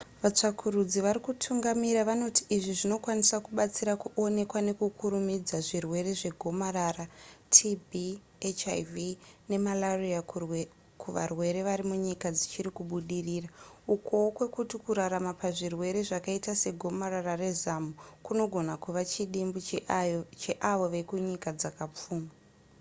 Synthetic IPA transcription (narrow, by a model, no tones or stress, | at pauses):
ʋat͡ʂakʰuɾud͡ziʋaɾikutʰuŋɡamiɾaʋano̞tiʔːʐiʐino̞kwanisakuɓat͡siɾakuʔo̞ne̞kwane̞kukʰuɾumid͡zaʐirwe̞ɾe̞ʐe̞ɡʱo̞maɾaratʰibʱi | et͡ʃajvine̞malaria | kuʋa̰rwe̞ɾe̞ʋaɾimuɲikad͡zit͡ʃiɾikuɓuɗiriːraukowokwe̞kutikuɾaɾamapaʐirwe̞ɾe̞ʐakaitase̞ɡʱo̞mararare̞zamukuno̞ɡʱo̞nakuʋat͡ʃiɗimbu | t͡ʃeʔaʋo̞ʋe̞kuɲikad͡zakap͡fuːma